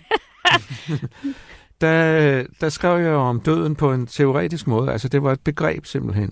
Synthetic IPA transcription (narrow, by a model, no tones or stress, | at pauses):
d̥ɑd̥ɑ̈sɡ̥ʁɛʊ̰jɑ̈ɒ̽md̥ø̰ð̞̰ˠn̩pʰɒ̽e̝nt͡sʰe̝o̝ʁɛ̰ːd̥isɡ̥mɔ̽ːð̞ˠælsəd̥e̝ʋɑ̈e̝d̥̚b̥e̝ɡ̥ʁɛ̰ːb̥se̝m̰b̥l̩ɦen̰